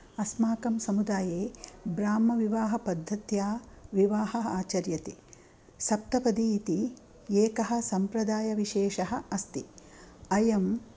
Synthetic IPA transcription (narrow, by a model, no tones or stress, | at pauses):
ɐsmaːkɐmsɐmud̪aːjeːbɾaːmːɐʋiʋaːɦɐpɐd̪ʱːɐt̪jaːʋiʋaːɦɐaːt͡ʃɐɾjɐt̪i | sɐp̚t̪ɐpɐd̪iːt̪i | eːkɐɦɐ̆sɐmpɾɐd̪aːjɐʋiʃeːʃɐɦɐ̆ɐst̪i | ɐjɐm